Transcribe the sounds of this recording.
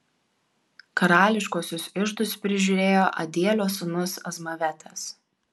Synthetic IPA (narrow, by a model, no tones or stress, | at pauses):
kɐɾɑːlʲɪʃkoɔsʲʊsɪʒd̪ʊspʲɾʲɪʒʲʊːɾʲeːjoːʔɐd̪ʲeːlʲoːsʊnʊsɐzmɐʋʲɛt̪ʲɛs